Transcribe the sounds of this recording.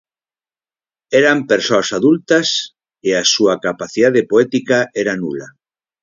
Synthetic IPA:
ɛɾampeɾsoasaðult̪ɐs | easuɐkapaθiðaðepoɛt̪ikaɛɾanula

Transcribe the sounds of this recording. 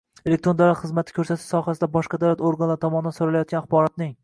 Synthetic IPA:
elek̚t̪ɾod̪awlat̪χɨzmat̪ʰɪ̥kʰʲɵɾsat̪ʰɪ̥ʃsɒhasɪd̪abɒʃqɑd̪awlat̪oɾɡanlaɾɪt̪ʰɒmɒnɪd̪ansoɾalajɒt̪ɡʲanaχbɒɾɒt̪̚nɪŋ

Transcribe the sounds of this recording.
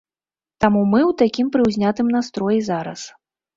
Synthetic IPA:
t̪amumɨwt̪akʲimpɾɨwzʲnʲat̪ɨmnast̪ɾɔjizaɾɐ̰s

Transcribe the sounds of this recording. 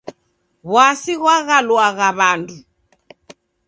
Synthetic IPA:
βwasiɣwaɣalwaɣaβandu

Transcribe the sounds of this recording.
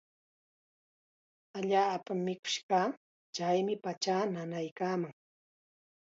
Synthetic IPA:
aʎaːpamːɪkʊ̥ʃkaː | t͡ʃajmɪpat͡ʃaːnanajkaːmaŋ

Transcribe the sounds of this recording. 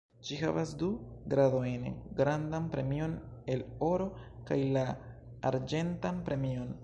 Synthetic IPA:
d͡ʒiɦa̰vasduɡɾadojnɡɾandanpɾe̞mio̞ne̞lo̞ɾo̞kajla̰ːɾd͡ʒe̞ntanpɾe̞mio̞n

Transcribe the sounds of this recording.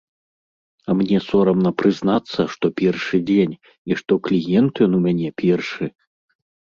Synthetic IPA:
ɐmnʲɛsɔɾɐmnɐpɾɨznat̪sːɐʂt̪ɔpʲɛrʂɨd͡zʲenʲ | iʂt̪ɔklʲijɛnt̪jɔnumʲanʲɛpʲɛrʂɨ

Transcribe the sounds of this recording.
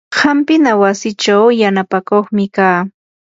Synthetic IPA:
hampɪnawasɪt͡ʃawjanapakoχmɪkaː

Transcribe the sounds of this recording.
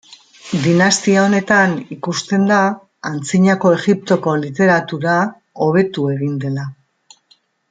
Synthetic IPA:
d̪inast̪iao̞ne̞t̪anikust̪e̞nd̪aː | nt͡siɲako̞e̞ɣip̚t̪o̞ko̞lit̪e̞ɾat̪uɾa | o̞β̞e̞t̪ue̞ɣind̪e̞la

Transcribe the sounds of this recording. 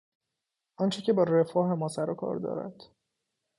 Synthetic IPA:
ʔɒːnt͡ʃʰece̞bɒːɾe̞fɒːɦe̞mɒːsæɾɒkʰɒ̰ːɾd̪ɒ̰ːɾæ̰d̪̥

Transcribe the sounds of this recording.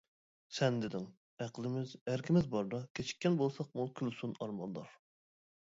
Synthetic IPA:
sɛnd̪ɪd̪ɪŋ | æqlˠɪmɪzæɾkʲʰimɪzbɑɾd̪ɑkʲʰet͡ʃʰi̥k̚ʲːɛnbolˠsɑq̚mukʲʰylsunɑɾmɑnd̪ɑɾ

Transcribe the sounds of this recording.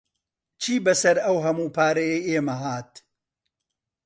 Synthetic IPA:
t͡ʃʰiːbɐsɐɾɐwɦɐmuːpʰaːɾɐjɐjeːmɐɦaːt̪̚

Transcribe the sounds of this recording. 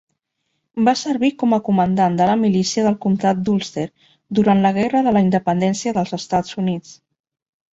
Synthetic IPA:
basəɾβikɔməkumənd̪and̪ələmilisiəðəlˠkumt̪at̪̚d̪ulˠst̪eɾ | d̪uɾant̪ləɣ̞ɛrəðələind̪əpənd̪ɛnsiəðəlˠzəst̪ad͡zunit͡s

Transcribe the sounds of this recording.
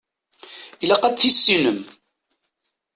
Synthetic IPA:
ilæqæt̪θisːinəm

